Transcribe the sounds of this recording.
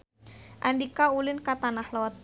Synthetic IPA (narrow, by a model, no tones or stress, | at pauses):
ʔandikaulɪnkat̪anahlɔt̪̚